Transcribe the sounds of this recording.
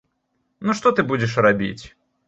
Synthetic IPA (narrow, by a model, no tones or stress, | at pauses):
nuʂt̪ɔt̪ɨbud͡zʲɛʂrabʲḭt͡sʲ